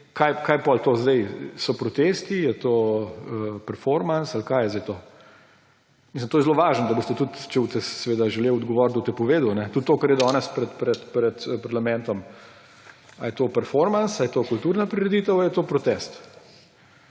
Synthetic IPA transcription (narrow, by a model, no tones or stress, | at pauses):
kajkaːjpɔlt̪ozd̪ɛjsɔpɾɔt̪est̪ijɛt̪oːəpɛɾfɔɾmansalkaːjɛzd̪ɛjt̪o | misləmt̪oːjɛzloʋaːʒnɔd̪ɐbost̪ɛt̪ut̪t͡ʃɛut̪ɛsɛʋeːd̪aʒɛlewɔd̪ɡɔʋɔːɾt̪ut̪ɛpɔʋeːd̪unɛt̪ut̪ːoːkaɾjɛd̪ɔːnɛspɾɛt̪pɾɛt̪pɾɛt̪paɾlamɛnt̪ɔm | a̰jɛt̪oːpɛɾfɔɾmansajɛt̪oːkult̪uːɾnapɾiɾɛd̪it̪əwjɛt̪oːpɾɔt̪ɛst̪